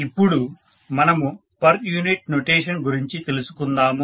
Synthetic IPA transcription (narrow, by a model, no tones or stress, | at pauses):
ipːuɽu | mɐnɐmu | pɐɾjuːniʈ̚noʈeːʂɐnɡuɾiɲt͡ʃit̪e̞lusu̥kund̪aːmu